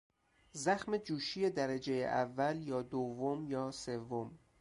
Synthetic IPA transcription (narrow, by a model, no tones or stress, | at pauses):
zæxmed͡ʒuːʃije̞d̪æɾed͡ʒe̞jḛʔævːæljɒːd̪ovːomjɒːse̞vːom